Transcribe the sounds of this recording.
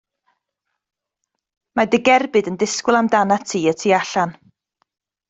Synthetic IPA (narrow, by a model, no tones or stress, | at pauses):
madɪɡɛrbɨdəndɪskwʊlˠamdanatʰiːətʰiːaɬan